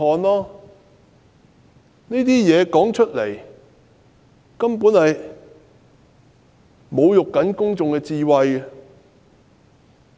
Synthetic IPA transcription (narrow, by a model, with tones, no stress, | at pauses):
ɔː˨˧nlaː˥ | ni˥t̪iː˥jɛː˨˧kɔː˨˥ŋt͡ʃʰɵ˥t̚le˨˩j | kɐ˥mpuː˨˥nhɐ˨j | mo˨˧wjʊ˨kːɐ˨˥nkʊ˥ŋt͡sʊ˨ŋkɛ˧t͡siː˧wɐ˧j